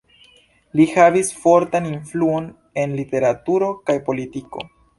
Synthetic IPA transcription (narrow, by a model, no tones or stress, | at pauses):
lihavisfo̞ɾtaninfluon | e̞nlite̞ɾatuɾo̞kajpo̞litiko̞̰